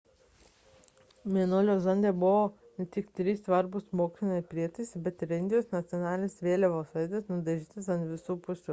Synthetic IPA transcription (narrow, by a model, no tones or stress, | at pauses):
mʲiɛnolʲoːzɐnʲd̪ʲeːbʊʋoː | nʲɛt̪ʲɪkt̪ʲɾʲiːsʋɐɾbʊsmoːksʲɪnʲɐɪpʲɾʲiɛt̪ɐɪsʲbʲɛt̪ɪɾɪnʲd̪ʲɪjoːsnɐt̪sʲɔnɑːlʲɪnʲɪsʋʲeːlʲɛʋoːsɐɪd̪ʲesnʊd̪ɐʒʲiːt̪ʲɪsɐnt̪ʲʋʲɪsuːpʊsʲʊ